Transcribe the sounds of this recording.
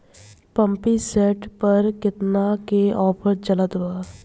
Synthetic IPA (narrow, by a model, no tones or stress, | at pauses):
pə̃mpisɛːʈpəɾkɪt̪nakeʔɔːpʰəɾd͡ʒələt̪a